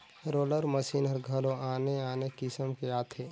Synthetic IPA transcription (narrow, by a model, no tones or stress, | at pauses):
ɾoːləɾməsiːnɐɾɡʱɐlõaːneaːnekɪsəmkeaːt̪ʰeː